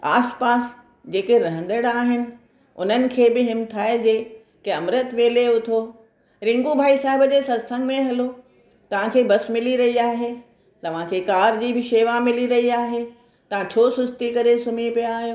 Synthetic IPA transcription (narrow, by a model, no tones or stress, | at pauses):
aːspaːs | d͡ʑeːkeɾɐɦə̃nd̪əɽaːɦɪnɪ̆ | ʊ̰n̤ənɪ̆kʰeːbɪɦɪmt̪ʰaːed͡ʑeː | keɐmɾət̪ʋeːleʊt̪ʰoː | ɾɪ̃ŋɡubʱaːisaːɦɪbəd͡ʑeːsɐd̪sə̃ŋɡmẽɦɐlo | t̪ɐʋ̤ãkʰeːbɐsmɪliɾɐɦiaːɦeː | t̪ɐʋ̤ãkʰeːkaːɾd͡ʑiːbɪʃeːʋamɪliɾɐɦiaːɦeː | t̪ɐʋ̤ãt͡ɕʰoːsʊst̪ikɐɾesʊmipijaaːɦijoː